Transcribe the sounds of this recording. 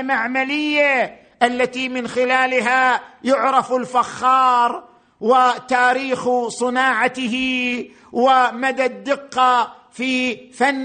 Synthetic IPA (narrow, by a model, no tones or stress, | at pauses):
maʕmalɪjːa | ʔalːat̪imɪnxɪlaːlɦajʊʕɾˤɑfɪlfaxːɑːɾˤ | wɪt̪aːɾiːxsˤɨnɑːʕat̪ɪɦi | wɪmad̪ad̪ːɪqːɑ | fifanː